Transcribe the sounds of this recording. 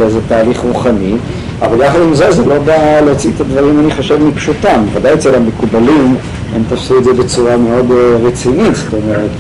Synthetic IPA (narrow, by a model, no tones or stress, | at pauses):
lejzet̪aːliχʁuχani | a̰valjaχad̪imzezelo̞baleot͡siet̪ad̪vaʁimaniχoʃavmipʃut̪amvad̪ajet͡selamekubalim | emt̪afsuedzebet͡suʁame̞o̞d̪ʁet͡sinit̪sto̞meʁet̪